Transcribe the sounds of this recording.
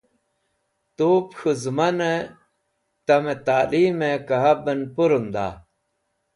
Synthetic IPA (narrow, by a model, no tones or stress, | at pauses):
t̪uːpxʰuzmɐne | t̪ɐmet̪aːliːmekɐɦɐbənpuɾund̪a̰ː